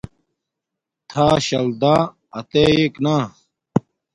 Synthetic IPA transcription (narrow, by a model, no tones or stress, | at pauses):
t̪ʰaːɕɐld̪ãː | ɐt̪eːeːknãː